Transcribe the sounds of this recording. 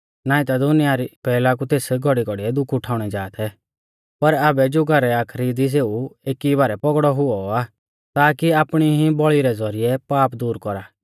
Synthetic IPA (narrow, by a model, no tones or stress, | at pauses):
naːĩt̪ad̪ʊnɪjaɾipɛːlak̬ut̪eːsɡʱɔɽiɡɔɽiɛd̪ʊkʰʊʈʰaːʊɽ̃ɛd͡ʒaːt̪ʰɛ | pɐɾabɛd͡ʒʊːɡɐɾɛaːkʰɾid̪is̬eːueːkibaːɾɛpɔɡɽɔɦʊɔa | t̪aːkiaːpɽ̃iɦĩbɔɭiɾɛd͡zɔɾɪjɛpaːpd̪uːɾkɔɾaː